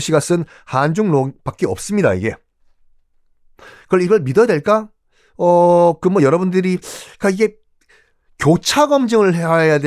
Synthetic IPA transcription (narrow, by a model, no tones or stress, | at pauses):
ɕʰiɡas͈ɯn | hand͡ʑuŋnopak͈eʌp̚s͈ɯmɲida̰ḭɡe̞ | kɯʌɭiɡʌɭmidʌjadwe̞ɭk͈a | ʌkɯmʌjʌɾʌbundɯɾikaiɡe̞ | kjot͡ɕʰaɡʌmd͡ʑɯŋɯɭɦeɦaejade